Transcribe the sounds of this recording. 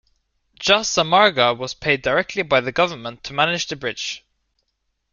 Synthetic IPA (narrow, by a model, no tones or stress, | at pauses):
d̥ʒ̥ʌsəmɑɹɡəwɒz̥pʰeɪdəɹɛk̚tʰlibaɪðəɡʌvəmə̃ntʰːəmanɪd͡ʒðəbɹɪd̥ʒ̥